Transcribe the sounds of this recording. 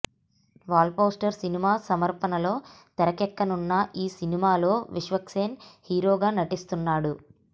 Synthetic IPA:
ʋaːlpoːsʈɐɾsinimaːsɐmɐɾpɐnɐlo̞ːt̪ɛɾɐkɛkːɐnunːɐʔiːsinimaːlo̞ːʋiʂʋɐkʂeːnhiːɾo̞ːɡaːnɐʈist̪unːaːɽu

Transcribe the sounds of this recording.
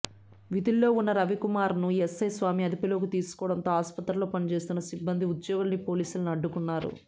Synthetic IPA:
ʋid̪ilːo̞ːunːɐɾɐʋikumaːɾnuesɐjsʋaːmiɐd̪ipɐloːkit̪iːsu̥kɔːɽɐnt̪o̞ːaːspɐt̪ɾɐlo̞ːpɐnit͡ʃe̞ːst̪unːɐsibːɐnd̪iud̪joːɡulɐnipo̞ːliːsulunɐɖːukunːaːɾṵ

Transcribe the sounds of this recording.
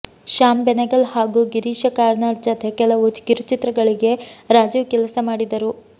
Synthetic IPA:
ʃaːmbɛnɐɡɐlhaːɡuɡiɾiːʃɐkaːɾnaːʈ̚d͡ʒɐt̪ʰekɛlɐʋut͡ʃɡiɾut͡ʃit̪ɾɐɡɐɭiɡe̞ɾaːd͡ʒiʋkɛlɐsɐmaːɽid̪ɐɾu

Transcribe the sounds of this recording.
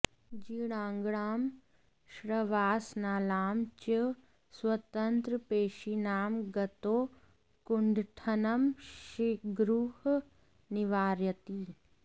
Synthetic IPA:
d͡ʒiːɽ̃ãːŋɡɽaːm | ʃɾəʋaːsnaːlaːmt͡ʃə | swɐt̪ənt̪ɾəpeːʃinaːmɡɐt̪oː | kuɳɖʱʈʰɐnɐmʃiɡɾuɦ | niʋaːɾjət̪iː

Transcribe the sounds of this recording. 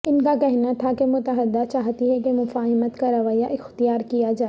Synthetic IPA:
ɪnkakɛɦnat̪ʰakemʊt̪əɦəd̪ːat͡ʃaːɦt̪iɦɛkemʊfaːɦɪmət̪kaɾɐʋaːjaʔɪxt̪ijaːɾkijad͡ʒaː

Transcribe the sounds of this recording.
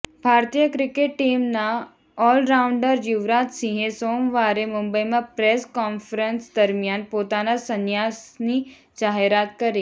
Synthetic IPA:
bʱaːɾt̪ijəkɾɪkeʈːiːmna | ɔːlɾaːwʊ̃ɳɖəɾjʊʋɾaːt̪sĩɦẽsoːmʋaːɾemʊmbəimãpɾeːskɔːnfʰɾənsd̪ɐɾmijaːnpoːt̪aːnasɐnjaːsni | d͡ʒaːɦeɾaːt̪kɐɾeː

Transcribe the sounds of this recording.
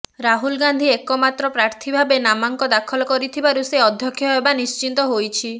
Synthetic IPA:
ɾaɦulɡand̪ʱiekɔmat̪ɾɔpɾaɾt̪ʰibʱabenamaŋkɔd̪akʰɔlɔkɔɾit̪ʰibaɾuseɔd̪ʱjɔkʰːjɔɦebanist͡ʃint̪ɔɦojt͡ʃʰi

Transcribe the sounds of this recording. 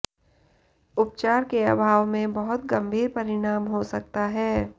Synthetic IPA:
ʊp̚t͡ʃaːɾkeabʱaːʋmẽbɐɦʊt̪ɡɐ̃mbʱiːɾpɐɾɪɽ̃aːmɦosɐkt̪aɦɛː

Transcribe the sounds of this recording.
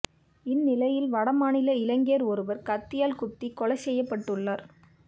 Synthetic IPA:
ɪnːɪlɐjɪlʋɐɽɐmaːnɪlɐɪlɐŋɡeːɾɔɾɯʋɐɾkɐt̪ːɪjaːlkʊt̪ːikːɔɭɐsɛjːɐpːɐʈːɯɭːaːɾ

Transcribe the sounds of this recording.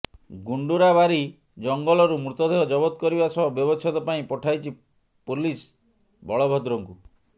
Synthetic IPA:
ɡuɳɖuɾaβaɾi | d͡ʒɔŋɡɔɭɔɾumɾut̪ɔd̪ʱeɦɔd͡ʒɔbɔt̪ɔkɔɾibasɔbɔbjɔbɔt͡ʃʰɔt̪ɔpaĩpɔʈʰajt͡ʃʰi | pulis | bʱɔɭɔbʱɔd̪ɾɔŋku

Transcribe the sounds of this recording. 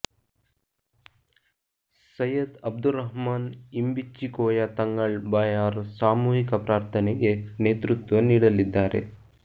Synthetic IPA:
sɐjɐd̪ɐb̚d̪uɾɐɦmaːnimbit͡ʃːikoːjat̪ɐŋɡɐɭbaːjaːɾsaːmuːɦikɐpɾaːɾt̪ʰɐneɡe̞neːt̪ɾut̪ʋɐniːɽɐlid̪ːaːɾḛ

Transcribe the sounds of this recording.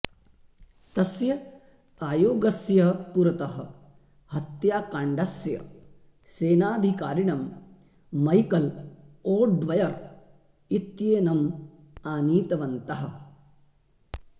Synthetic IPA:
t̪ɐsjɐ | aːjoːɡɐsjɐpuɾɐt̪ɐɦɐ̆ | hɐt̪jaːkaːɳɖɐsjɐ̰ | seːnaːd̪ʱikaːɾiɳɐmː | ɐjkɐloːɖʋɐjɐɾ | it̪jeːnɐm | aːniːt̪ɐʋɐnt̪ɐɦɐ̆

